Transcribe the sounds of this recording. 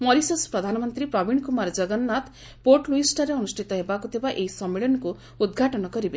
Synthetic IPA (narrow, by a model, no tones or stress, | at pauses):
mɔɾisɔspɾɔd̪ʱanɔmɔnt̪ɾipɾɔbiɳkumaɾd͡ʒʌɡɔnːat̪ | poɾʈluisʈɔɾeɔnusʈʰit̪ɔɦebakut̪ʰebaʔeisɔmːeɭɔnɔku | ud̪ɡʱaʈɔnɔkɔɾibe